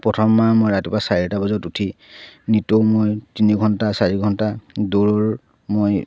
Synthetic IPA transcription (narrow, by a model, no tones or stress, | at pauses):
pɹɔtʰɔmːamojɹatipasaɹiɛtabɔzɔtutʰi | nitomojtiniɡʱɔntasaɹiɡʱɔntadoɹoɹ | moj